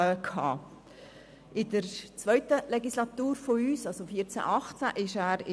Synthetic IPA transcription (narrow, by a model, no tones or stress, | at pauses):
kʰhɑ̰ː | ʔɪdəɾt͡sʋœʏt̪əlɛɡislɑt̪uːɾfoyːsɑlsofiːt͡sæ̰ʔɑχt͡sæ̰ʔɪʃæːɾɪ